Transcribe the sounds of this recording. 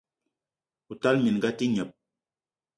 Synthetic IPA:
u˨ta˦lmi˨n˨ɡa˦ti˦ɲə˨p̚

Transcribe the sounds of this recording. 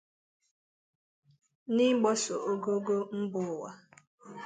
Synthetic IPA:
ni˦ɡ͡bɔ˦so˨ʔo˦ɡo˦ɡo˦m̩˦bʊ˨wa˦

